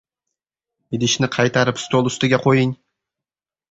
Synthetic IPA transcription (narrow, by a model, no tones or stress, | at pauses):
ɪd̪ɪʃnɪqʰɑjt̪ʰɑɾɪpst̪olˠʊst̪ɪɡʲaqʰojɪŋ